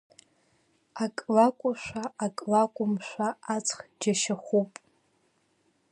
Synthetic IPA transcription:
akʼlakʷʼʊʃʷᶣaːkʼlakʷʼʊmʃʷaat͡sʰʼχd͡ʒaʃaχʷupʼ

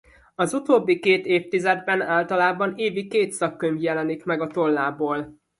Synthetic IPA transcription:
ɒzut̪oːbːikeːt̪eːft̪izɛd̪̚bɛnaːlt̪ɒlaːbɒneːvikeːt̪sɒkːøɲvjɛlɛnikmɛɡɒt̪o̞lːaːboːl

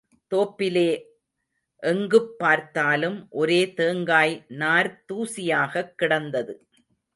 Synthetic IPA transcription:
t̪oːpːɪleː | ʔɛŋɡɯpːaːɾt̪aːlɯmʔɔɾeːt̪eːŋɡaːjnaːɾt̪uːsɪjaːɣɐkːɪɽɐnd̪ɐðɯ

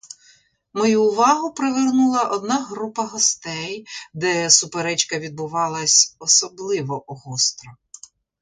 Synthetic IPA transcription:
mɔjuːʋɑɦʊpɾeʋernulˠɐʔɔd̪nɑɦɾupɐɦɔst̪ɛjd̪ɛsʊpeɾɛt͡ʃkɐʋʲid̪̚bʊʋɑlˠɐsʲɔsɔblˠɪʋɔʔɔɦɔst̪ɾɔ

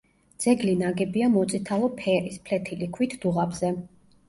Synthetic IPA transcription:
d̪z̥ɛɡlinaɡɛbiamɔt̪sʼit̪ʰalˠɔpʰɛɾispʰlɛt̪ʰilikʰwit̪ʰd̪̥uʁabz̥ɛ

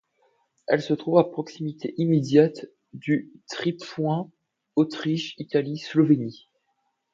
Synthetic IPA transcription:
ɛlsət̪χuvapχɔksimit̪eʔimed̪jat̪ | d̪yt̪χipwɛ̃ | ot̪χiʃit̪alislɔveni

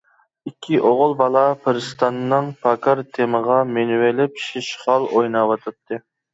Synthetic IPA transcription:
ikʲʰːiʔoʁʊlˠbɑlˠɑpʰɨɾɨst̪ɑnːɨŋpʰɑkʰɑɾt̪ʰeməʁɑmenwelɪpʃiʃχɑlˠojnɑwɑt̪ʰɨp̚t̪ʰːɨ

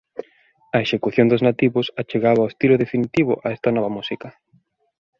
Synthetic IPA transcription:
ɐeʃekuθjond̪ʊznat̪iβʊsat͡ʃeɣaβaoest̪ilʊðefinit̪iβʊ̰ʔaɛst̪ɐnɔβɐmusikɐ

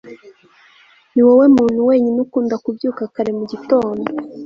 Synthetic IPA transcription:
niwewe̞muːn̥huweːɲinukuːndakubjuːkakaɾe̞muɟito̞ːndo

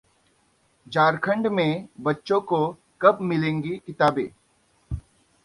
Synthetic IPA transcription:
d͡ʒaːɾkʰə̃ɳɖmẽbɐtːʃõko | kɐpmɪlẽːŋɡikɪt̪aːbḛ̃ː

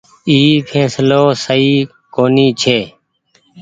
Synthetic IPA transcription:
iːpʰẽːsloːsəiː | koːniːt͡ʃʰeː

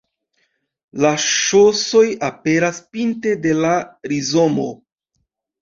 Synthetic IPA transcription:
laʃo̞so̞jape̞ɾaspinte̞de̞laɾizomo̞

